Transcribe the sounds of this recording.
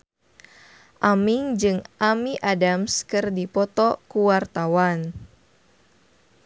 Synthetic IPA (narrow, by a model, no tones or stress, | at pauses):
ʔamiŋd͡ʒɨŋʔamiʔadamskɨrdipɔt̪ɔkuwart̪awan